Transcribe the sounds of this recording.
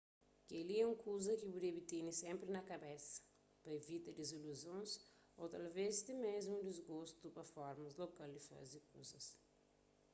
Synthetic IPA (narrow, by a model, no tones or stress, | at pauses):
keliɛũŋkʰuzɐkibud̪ebit̪inisẽmpɾinɐkɐbɛsɐ̥ | pɐevit̪ɐd̪iziluzõns | o̰t̪ɐlvezd̪imezmũd̪izɡost̪upɐfɔɾmɐzlokald̪ifa̰zd̪ikuzɐs